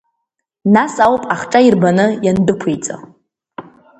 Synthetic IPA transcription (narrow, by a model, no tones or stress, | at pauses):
nasawpʼaχʈ͡ʂʼairbanɨjandɨkʷʰejt͡sʼa̰